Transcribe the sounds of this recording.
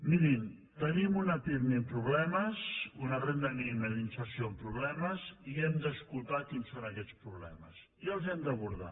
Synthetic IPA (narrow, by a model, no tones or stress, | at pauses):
minim | t̪ənimunəpiɾnimpɾuβlɛməzunərend̪əniməðinsəɾsiompɾuβlɛməziɛmd̪əskulˠt̪akinsonəkɛt͡spɾuβlɛ̰mə̰s | jalˠzɛmd̪əβuɾða̰